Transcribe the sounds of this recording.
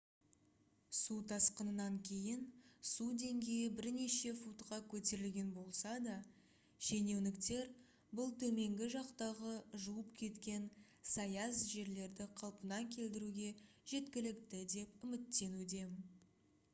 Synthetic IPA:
sut̪ʰɑsqənənɑŋkʲʰe̞jɪnsud̪e̞ŋɡʲe̞jɪbɪɾne̞ʃe̞fut̪qɑkʲʰɵt̪e̞ɾɪlɡʲe̞nbo̞lˠsɑd̪ɑ | ʒe̞ne̞wnɪkt̪e̞ɾ | bʊlˠt̪ʰɵme̞ŋɡʲɪʒɑqt̪ɑʁəʒuwəpkʲʰe̞t̪kʲe̞n | sɑjɑsʒe̞ɾle̞ɾd̪ɪqʰɑlˠpənɑŋkʲʰe̞ld̪ɪɾuɡʲe̞ʒ̥e̞t̪kʲɪlɪkt̪ɪd̪e̞p̚ʏmɪt̪ːe̞nud̪e̞

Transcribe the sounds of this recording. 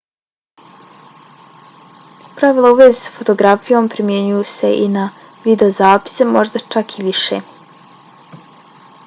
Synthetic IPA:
pɾaʋilˠauʋezesḁfo̞t̪o̞ɡɾafijo̞mpɾimjeɲujuse̞ʔḭna | ʋid̪e̞ozaːpi̥semo̞ʒd̪at͡ʃakʰiʋiʃḛ

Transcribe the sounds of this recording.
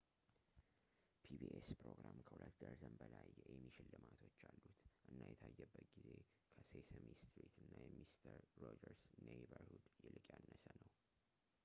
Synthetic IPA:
pʰibiʔespɾo̞ɡɾamkʰəhulət̪ɡəɾzəmbəlajɛʔɛmːiʃɪlːɨmat̪ʰo̞t͡ʃːalːut̪ʔɨnːajɛt̪ʰajːɛbːət̪ɡize̞ | kʰəsesəmist̪ɾit̪ɨnːajɛmist̪ʰəɾːod͡ʒəɾsnejbəɾhud̪jɛlɨkʼjanːəsənəw

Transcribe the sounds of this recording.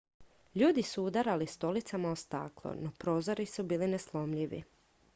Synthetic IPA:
ʎuːd̪isuud̪aɾalist̪o̞lit̪samaost̪a̰ːklˠo̰nopɾo̞ːzo̞ɾisubiːlineslˠo̞mʎiʋḭ

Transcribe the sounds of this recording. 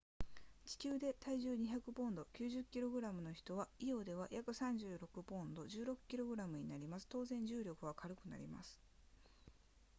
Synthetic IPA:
t͡ɕi̥kʲɨːd̪e̞t̪aiʑɨːɲ̟içakɯ̟bõ̞nd̪o̞kʲɨːʑɨkʲːiɾo̞ɡɯ̟ɾamɯ̟no̞çi̥t̪o̞β̞aijo̞ːd̪e̞β̞ajʔakɯ̟sãɲ̟d͡ʑɨːɾo̞kɯ̟bõ̞nd̪o̞d͡ʑɨːɾo̞kɯ̥kʲiɾo̞ɡɯ̟ɾamɯ̟ɲ̟inaɾʲimasɨ̥t̪o̞ːzẽ̞ɲ̟d͡ʑɨːɾʲo̞kɯ̟β̞akʰaɾɯ̟kɯ̟na̰ɾʲḭma̰sɨ̥

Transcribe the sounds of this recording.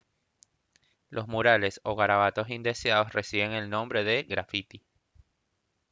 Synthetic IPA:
lʔo̞zmuɾale̞so̞ɣaɾaβat̪o̞sind̪esjaðo̞sresiβe̞ŋe̞lnõ̞mbɾe̞ðe̞ɣɾafit̪i

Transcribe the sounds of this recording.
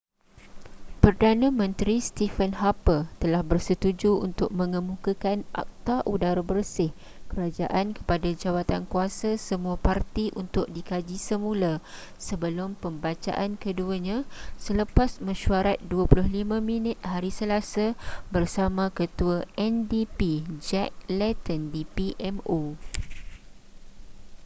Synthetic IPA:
pərdanə̃mə̃nt̪ɾist̪ifənɦapət̪əlahbərsət̪ud͡ʒuṵnt̪ʊk̚mə̃ŋəmukakanʔa̰k̚t̪aʔudaɾabərsɪh | kəɾad͡ʒa̰ʔankə̥padad͡ʒawat̪ankuasasəmuapart̪iʔunt̪ʊk̚dikad͡ʒisəmũla | səbəlʊmpəmbat͡ʃa̰ʔankəduəɲãsələpasmə̃ʃuaɾat̪̚duəpulʊhlimãmĩnɪt̪̚haɾisəlasabərsamãkət̪uaʔɛndipid͡ʒɛk̚lɛt̪əndipiʔɛmo

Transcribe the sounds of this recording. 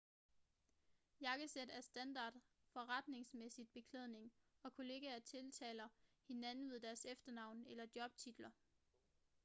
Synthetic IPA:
jɑ̈ɡ̥əsed̥æɐsd̥ænd̥ɑ̈ːd̥ | fɒ̽ʁɑd̥ne̝ŋsmesid̥̚b̥e̝kʰleð̞̰ˠne̝ŋɒ̽kʰo̝le̝ːɡ̥æɐt͡sʰe̝lt͡sʰɛ̰ːlɐhe̝næne̝ðˠd̥æɐsefd̥ɐnɑ̈ʊ̰nelɐd̥jɒ̽b̥̚t͡sʰid̥lɐ

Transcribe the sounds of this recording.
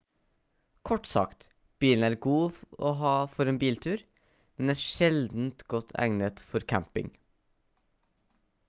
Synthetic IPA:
kʰɔʈsɑ̰kt̪ | b̥iːln̩æːɾɡuːo̰ːɦɑːfɔɾeːnbiːlt̪ʰʉːɾ | mɛnæːɾʃɛld̪n̩t̪ɡɔt̪ʰæ̰ŋnət̪fɔɾkʰæmpɪ̰ŋ

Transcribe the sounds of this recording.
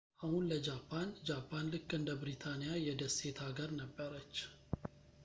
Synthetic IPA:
ʔahunləd͡ʒapʰːand͡ʒapʰːanlɨkʼːɨnd̪əbɾit̪ʰanijajɛd̪əse̞t̪ʰaɡəɾnəbːəɾət͡ʃː

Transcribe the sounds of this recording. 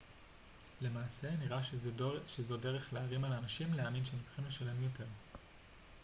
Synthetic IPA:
le̞maːse̞niʁaʃezo̞de̞ʁe̞χleaʁimalanaʃimleaːminʃeemt͡s̪ʁi̥χimle̞ʃale̞mjo̞te̞ʁ

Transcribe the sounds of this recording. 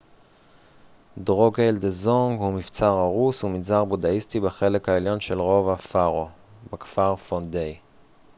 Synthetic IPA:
dʁo̞ɡeldezoŋɡhumift͡saʁaʁusuminzaʁbodaistibaχe̞lekhaeljo̞nʃelʁo̞vafaʁo | bekfaʁfondej

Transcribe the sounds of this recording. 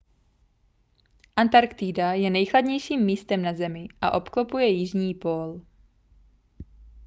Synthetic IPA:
ʔant̪aɾkt̪idajɛnɛjxladɲɛjʃiːmːiːst̪ɛmnazɛmɪʔa̰ʔo̞pklopujɛjɪʒɲiːpol

